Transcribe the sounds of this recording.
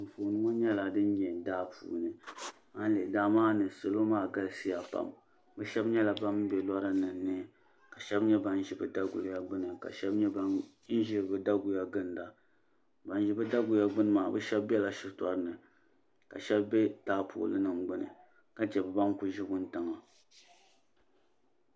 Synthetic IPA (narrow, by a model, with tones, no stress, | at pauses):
m̩˨foː˨nɨ˦ŋo˦ɲɛ˦la˨dɨ˦n˦ɲɛ˨daː˦pʰṵː˨nɨ˨ | a˦n˦le˨daː˦maː˦nɨ˨so˨lo˦maː˦˨ɡa˦lsi˦ja˨pa̰˨m | bɛ˦ʃɛ˦bɲɛ˦la˨ba˦m˦bɛ˨la˦ɾa˦nɨ˨nː˨˦ɨ˦ | ka˨ʃɛ˦bɲɛ˦ba˦n˦ʒi˨bɨ˦da˦ɡʊ̰˨lja˦ɡ͡bɨ˦nɨ˨ka̰˨ʃɛ˦bɲɛ˦ba˦n | n̩˦ʒi˦˨bɨ˨da˦ɡʊ˨ja˦ɡɨ˦n˨da˨ | ba˨n˦ʒi˦bɨ˦da˦ɡʊ˨ja˦ɡ͡bɨ˦nɨ˦maː˨bɨ˦ʃɛ˦bbɛ˦la˨ʃɪ˦ta˦ɾɨ˦nɨ˨ | ka̰˨ʃɛ˦bbɛ˦taː˦pʰʊ̰˨lɨ˦nɨ˨mɡ͡bɨ˦nɨ̰˨ | ka˦t͡ʃɛ˨bɨ˨ba˦ŋku˦ʒi˦bʊ˦n̩˦tɨ˨ŋa˨